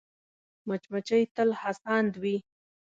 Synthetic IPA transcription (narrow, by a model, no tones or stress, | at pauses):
mat͡ʃmat͡ʃəjt̪əlhasɑnd̪wi